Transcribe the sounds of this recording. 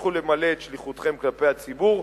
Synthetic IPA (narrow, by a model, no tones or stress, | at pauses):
χule̞male̞ːtʃliχut̪χe̞mklape̞jat͡sibuʁ